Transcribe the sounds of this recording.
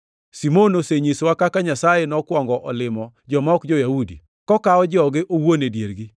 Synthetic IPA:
simonoseɲiswakakaɲasajenɔkwɔŋɡɔʔɔlɪmɔd͡ʒɔmɔkd͡ʒojaudḭ | kɔkaɔd͡ʒɔɡɪʔowonedjeɾɡi

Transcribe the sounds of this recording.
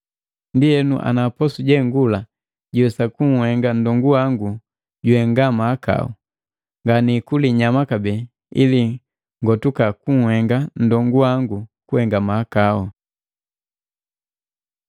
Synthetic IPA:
ndiɛnṵʔa̰napɔsuɟɛŋɡula | ɟɛsakuŋ̩hɛŋɡandɔŋɡuwaŋɡu | ɟuɛŋɡamaːka̰ɔ̰ | ŋɡanikuliɲamakabɛː | ḭli | ŋɡɔtukakuŋ̩hɛŋɡan̩dɔŋɡuwaŋɡukuhɛŋɡamaːkaɔ

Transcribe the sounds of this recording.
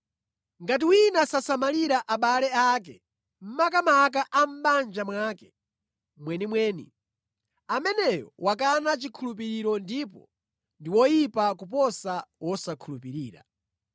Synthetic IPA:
ŋɡat̬iwinasasamaliɾaʔaɓalɛaːk̬ɛ | m̩makamak̬aʔam̩band͡ʒamwaːkɛ | mwɛnimwɛːnḭ | amɛnɛjɔ̰wakanat͡ʃikʰulup̬iɾiɾɔndipɔ̰ | ndiwɔjipakup̬ɔsawɔsakʰulupiɾiːɾa̰

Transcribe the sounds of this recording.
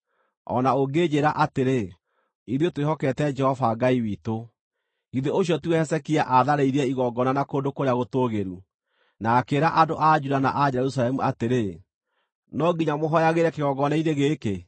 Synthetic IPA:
ɔ̰naoɡeːd͡ʒeɾaʔateɾe | iðjotwehɔkɛtɛd͡ʒɛhɔvaɡaiwiːto | iðeoɕ̬jɔtuwɛhɛsɛkiaʔaðaɾeiɾɛiɣɔɡɔnanakoːndokoɾeaɣotoːɣeɾu | naːkeːɾaʔadoʔad͡ʒudana̰ʔad͡ʒɛɾus̬alɛmuateɾe | nɔɡiɲamoɦɔjaɣeɾɛkeɣɔɡɔnaineɣeːke

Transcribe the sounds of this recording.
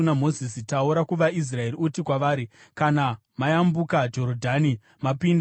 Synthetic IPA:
unamo̞zisitauɾakuʋais̬rae̞riutikwaʋaːɾikana | majambukad͡ʒo̞ɾodʱani | mapind

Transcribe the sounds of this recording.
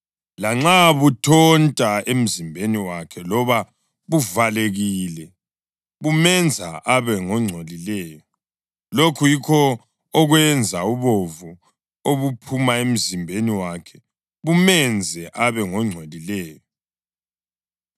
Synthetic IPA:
laŋ͡ǁaβutʰɔntʼaem̩zimbʱeniwakʰɛlɔβa | βuvaleɣiːlɛ | βumɛnd͡zʱa̰ʔaβɛŋɔŋ͡ǀʱolilɛːjɔ | lokʰujikʰɔ | ɔɣwɛnd͡zʱauβovu | oβupʰumaem̩zimbʱeniwakʰɛ̥ | βumɛnd͡zʱɛʔaβɛŋɔŋ͡ǀʱelilɛːjɔ

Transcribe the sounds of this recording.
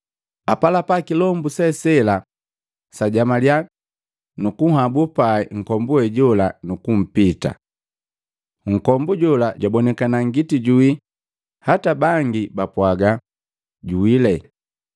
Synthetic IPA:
apalapakilɔmbusɛsɛla | saɟamalja | nukuhabupaɛŋ̩kɔmbuɛɟɔlanukum̩pita̰ | ŋ̩kɔmbuɟɔlaɟwabɔnɛkanaŋɡitiɟui | hatabaŋɡibapwaɡa | ɟuwilɛ

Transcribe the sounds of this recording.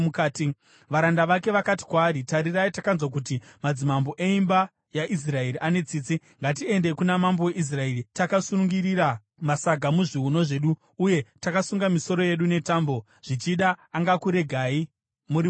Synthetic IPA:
kaːti | ʋaɾandaʋake̞ʋakati̥kwaːɾitaɾiraitakanzwak̬ut̬imad͡zimamboʔe̞imba | jaʔis̬rae̞ɾiʔane̞t͡siːt͡si | ŋɡat̬ie̞ndekunamamboweʔis̬rae̞ritakasunuŋɡiriɾa | masaɡʱamuʐiɦuno̞ʐe̞ɗu | uje̞takasuŋɡamiso̞ɾo̞je̞ɗune̞taːmbo̞ | ʐ̥it͡ʃiɗaːŋɡakuɾe̞ɡʱaːi | muɾ

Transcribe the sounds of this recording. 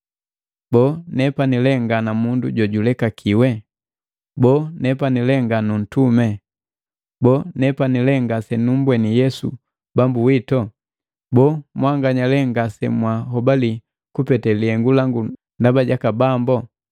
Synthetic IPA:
bɔːnɛpanilɛŋɡanamunduɟɔɟulɛkakʰiwɛ | bɔnɛpanilɛŋɡanun̩tumɛ | bɔnɛpanilɛŋɡasɛnum̩bwɛnijɛsṵ | bambuwitɔ | bɔmwaŋɡaɲalɛŋɡasɛmwaɦɔbali | kupɛtɛliɛŋɡulaŋɡu | ndabaɟakabambɔ

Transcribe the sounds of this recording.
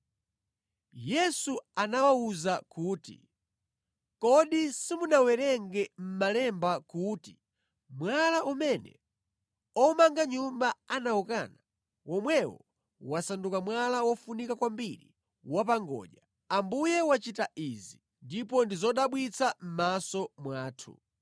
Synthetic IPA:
jɛsuanawauzakuːtḭ | kɔɗisimunawɛɾɛŋɡɛm̩malɛmbakuːti | mwalaʔumɛnɛ̰ | ɔmaŋɡaɲumbaanawɔkaːna | wɔmwɛwɔ̰ | wasandukamwalawɔfunikakwambiɾḭ | wap̬aŋɡɔ̰ːʄa | ambujɛwat͡ʃitaʔizi | ndipɔndizɔɗaɓwit͡sʰam̩masɔmwaːtʰṵ

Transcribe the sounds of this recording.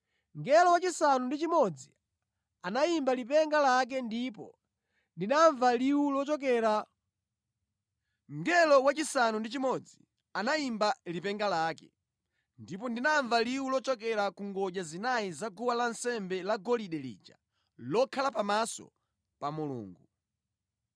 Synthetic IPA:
ŋɡɛlɔwat͡ʃisanundit͡ʃimɔd͡zi | anaimbalipɛŋɡalak̬ɛndipɔ | ndinaɱvaliwulɔt͡ʃɔk̬ɛːɾa | ŋɡɛlɔwat͡ʃisanundit͡ʃimɔd͡zi | anaimbalipɛŋɡalaːkɛ̰ | ndip̬ɔndinaɱvaliwulɔt͡ʃɔkɛɾakuŋɡɔʄazinajizaɡuwalansɛmbɛlaɡɔliɗɛlḭːd͡ʒa̰ | lɔkʰalapamasɔ̰ | pamulṵːŋɡu

